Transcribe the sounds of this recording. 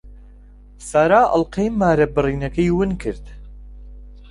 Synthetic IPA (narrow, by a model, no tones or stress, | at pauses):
saːɾaːʔɨ̰lqejmːaːɾɐbɨriːnɐkɐjwɨnkʰɨɾd̪